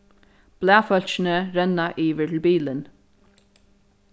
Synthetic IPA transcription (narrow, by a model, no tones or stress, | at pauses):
b̥læːfœl̥t͡ʃɪnəɾɛnːaʔiːʋəʈʰɪlbiːlən